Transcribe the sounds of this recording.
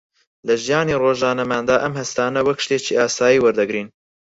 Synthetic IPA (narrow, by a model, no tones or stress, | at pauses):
lɐʒijɑːneːroːʒɑːnɐmæːnd̪ɑːʔɐmhɐst̪ɑːnɐwɐkʰːʃt̪eːt͡ʃiʔɑːsɑːjiːwɐɾd̪ɐɡɾiːn